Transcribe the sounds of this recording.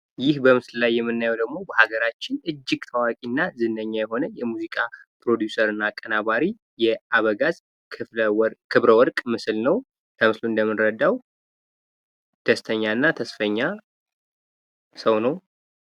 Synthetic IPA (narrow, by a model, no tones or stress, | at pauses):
jɪhbəmɨsllajːɛmːɨnːajɛwd̪əɡmo̞bəhaɡəɾat͡ʃːɪnɨd͡ʒːɪɡt̪ʰəwakʼinːazɨnːəɲːajɛɦo̞nəjɛmuzikʼapɾo̞d̪jusəɾɨnːaːkʼːənaβaɾi | jɛaβəɡazʼʰ | kʰɨβɾəwɔɾkʼmɨslnəw | k̪ʰəmɨsluɨnd̪əmːɨnɾəd̪ːaw | d̪̥əst̪ʰəɲːanːat̪ʰəsfəɲːa | səwnəw